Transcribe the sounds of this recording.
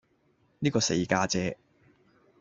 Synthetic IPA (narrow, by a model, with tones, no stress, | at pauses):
niː˥kɔː˧se˧jkaː˧t͡sɛː˧